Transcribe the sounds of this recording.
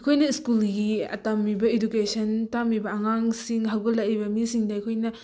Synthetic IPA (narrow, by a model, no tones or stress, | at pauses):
ɐjkʰojnɐiskulɡiɐ̰tamːibɐedukesʰɐntamibɐɐŋaŋsiŋɦɐwɡɐlɐjbɐmisiŋdɐɐjkʰojnɐ